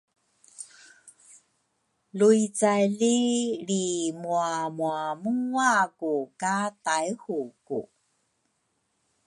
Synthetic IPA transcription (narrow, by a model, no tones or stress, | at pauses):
luit͡saliɾimuamuamuŋwakukatajhukṵ